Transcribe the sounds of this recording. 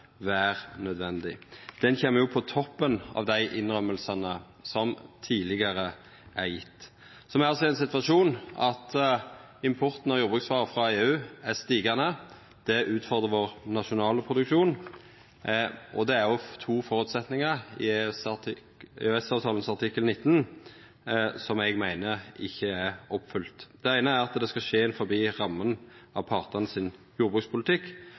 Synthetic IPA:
ʋæːʁnœd̪ʋɛnd̪ɪd̪̥ɛnçɛːmːəjʊpʰɔt̪ʰɔpːənɑ̰ʋd̪æɪʔɪnʁœmːəlsɑnə | sɔmt̪ʰiːlɪɡɑʁə | æʁjɪ̰t̪ː | sɔmæɑsɔæɪnsɪt̪ʋɑʂuːnɑt̪ | ɪmpʰɔʁt̪n̩ɑjuːʁbʁʉksʋɑːʁəfʁɑeːʉːæʁst̪iːɡɑnə | d̪̥ɛʔʉːt̪fɔʁd̪ʁəʋoːʁnɑʃʊnɑːləpʰʁʊd̪ʉkʃuːn | ʔɔd̪ɛæɾjɔt̪ʰuːfɔʁʉt̪sɛt̪nɪŋɑʁɪ̰t̪ɪ | øɛsɑːʋt̪ʰɑːlənsɑʁt̪ʰɪkːəlnɪt̪ːn | sɔmɛɡmæɪnəʁɪçːəæʁɔpːfʉlt̪d̪ɛæɪnəæʁɑt̪d̪ɛskɑʃeːɪnfɔʁbiːʁɑmːənɑʋpʰɑʁt̪əʁnəsɪn | juːʁbʁʉkspʊlt̪ʰɪkː

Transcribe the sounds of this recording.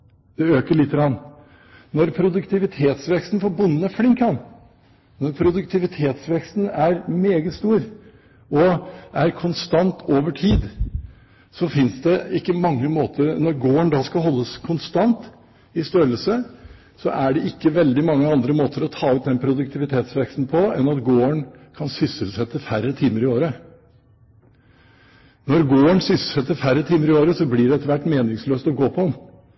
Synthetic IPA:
d̪̥ɛøːkəɭɪt̪ːəɡɾɑnː | nɔɾpʰɾʊd̪ʉkt̪ʰɪʋɪt̪ʰeːt̪sʋɛkst̪n̩fɔɾbʊnːn̩æflɪŋkhɑn | nɔɾpʰɾʊd̪ʉkt̪ʰɪʋɪt̪ʰeːt̪sʋɛkst̪n̩æɾmeːɡət̪st̪uːɾ | ɔæɾkʰʊnst̪ɑnt̪ʰoːʋəʈʰiːd̪ | sɔfɪnsd̪ɛɪkːəmɑŋːəmoːt̪ʰəɾnɔɾɡoːəɳd̪ɑːskɑɦɔlːəskʰʊnst̪ɑnt̪ | ɪst̪øɾəlsə | sɔ̰ʔæɖɛʔɪkːəʋɛld̪ɪmɑŋːəɑnd̪ɾəmoːt̪əɾɔt̪ʰɑːʉːt̪̚d̪ɛnpʰɾʊd̪ʉk̚t̪ʰɪʋɪt̪ʰeːt̪sʋɛkst̪n̩pʰɔɛnɑt̪ɡoːəɳ | kʰɑnsʏsəlsɛt̪ːəfæɾːət̪ʰiːməɾɪoːɾə | nɔɾɡoːəɳsʏsəsɛt̪ːəɾfæɾːət̪ʰiːməɾɪoːɾəsɔblɪɖɛɛt̪ːəɾʋæʈːmeːnɪŋsløːst̪ɔɡoːpʰɔm

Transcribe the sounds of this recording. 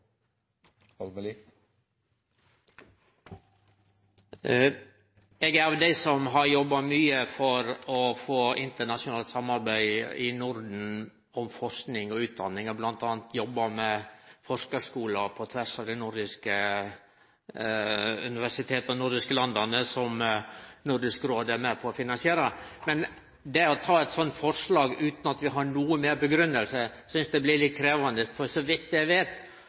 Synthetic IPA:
ɛːɡæɾɑʋd̪æɪsɔmɦɑɾjɔbːɑmyːəfɔɾɔfoːɪnt̪əɳɑʂʊnɑːlt̪sɑmːɑɾbæɪɪnʊɾd̪n̩ | ɔmfɔɾsknɪŋɔʉːt̪̚d̪ɑnːɪŋɔblɑnt̪ɑːnt̪jɔbːɑmɛfɔɾʂkɑʂkuːlɑpʰɔt̪ʰʋæʂɑʋd̪ɛnʊɾd̪ɪskə | ʉnɪʋæʂɪt̪ʰeːt̪ɔnʊɾd̪ɪskəlɑnd̪ɑnəsɔmnʊɾd̪ɪskɾoːd̪æɾmæpʰɔːfɪnɑnsɪeːɾəmɛn | d̪ɛɔt̪ʰɑːɛɪt̪sɔnt̪fɔɾʂlɑːɡʉːt̪nɑt̪ʋɪɦɑɾɳuːəmeːɾbəɡɾʉnːəlsəsʏnsd̪ɛblɪɾlɪt̪̚kʰɾeːʋɑnd̪əfɔɾsɔʋɪt̪ːɪæɪʋeːt̪

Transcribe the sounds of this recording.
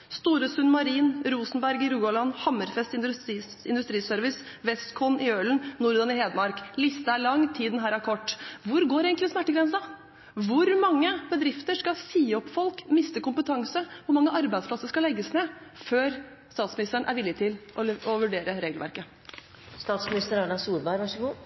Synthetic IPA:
st̪uːɾəsʉnmɑɾiːnɾuːsnbæɾɡɪɾuːɔlɑnːhɑməɾfɛst̪ɪ | ɪnd̪ʉst̪ɾiːsœɾʋɪs | ʋɛskʰɔnɪøːln̩nuːɾd̪ɑnɪheːd̪mɑɾklɪst̪əæɭɑŋːt̪ʰiːd̪nɦæːɾɑækʰɔʈːʋʊɾɡoːɾeːɡəŋktlɪsmæʈːəɡɾɛnsɑ | ʋʊɾmɑŋːəb̥əd̪ɾɪft̪əʂkɑsiːɔpːfɔlkmɪst̪əkʊmpət̪ʰɑŋsəʋʊɾmɑŋːəʔɑɾbæɪsplɑsəʂkɑlɛɡːəsneːføːɾ | st̪ɑːt̪smɪnɪst̪əɳʔæ̰ɾʋɪlːɪt̪ʰɪlʔɔɔʋʉɖeːɾəɾeːɡəlʋæ̰ɾkə | st̪ɑːt̪smɪnɪst̪əɾɑnɑsuːɾbæɪɡʋɑʂəɡuː

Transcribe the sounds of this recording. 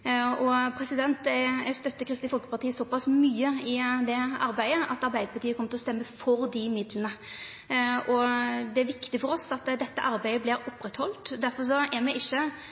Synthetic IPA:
ɔpʰɾɛsɪd̪ɛnt̪ɛɛst̪œt̪ːəkʰɾɪst̪ɪfɔlkə̥pɑɾt̪iːəsɔpɑsmyːəɪd̪ɛɑ̰ɾbæɪəʔɑt̪ɑɾbæɪd̪əpʰɑt̪iːəkʰɔmːət̪ɪlɔst̪ɛmːəfɔɾd̪ɪmɪd̪lənə | ʔɔd̪ɛæɾʋɪkt̪ɪfɔɾɔsɑt̪d̪ɛt̪ːəʔɑɾbæɪəblɪɾɔpːɾɛt̪hɔlt̪d̪æɾfɔɾʂ̬ɔʔɛmɛʔɪçːə

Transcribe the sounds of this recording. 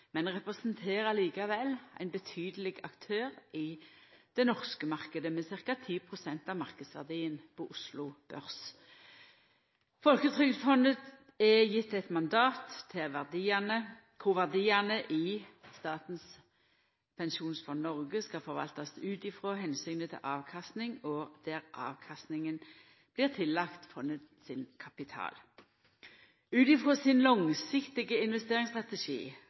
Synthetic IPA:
mɛnʁɛpʁəsnt̪ʰeːʁəliːkɑʋɛlæ̰ɪnbət̪ʰyːd̪əlɪɡɑkt̪ʰøːʁɪd̪̥ɛnɔʁskəmɑʁkəd̪əmɛsɪʁkɑt̪ʰiːpʰʁʊsɛnt̪ɑʋmɑʁkəd̪sʋæ̰ʁd̪iːənpʰɔʔʊslʊb̥œʁs | fɔlkət̪ʰʁʏɡ̪fɔnət̪ | ɛjɪt̪ːɛt̪mɑnd̪ɑːt̪ʰːɪʋæd̪inə | kʰʊʋæʁd̪iːɑnəʔɪst̪ɑːt̪n̩s | pʰɛnʃuːnsfɔnnɔʁɡəskɑfɔʁʋɑ̰lt̪ɑsʉːt̪ɪfʁoːɦɛnsyːnət̪ʰɪ̰lʔɑːʋkʰɑst̪nɪŋɔd̪̥æʁʔɑ̰ːʋkʰɑst̪nɪŋən | b̥lɪːʁt̪ʰɪlːɑkt̪fɔnːət̪ | sɪnkʰɑpɪt̪ʰɑ̰ːl | ʉːt̪ɪfʁoːsɪnlɔŋsɪkt̪ɪɡəɪnʋɛst̪eːʁɪŋst̪ʁɑt̪ɛʃḭː

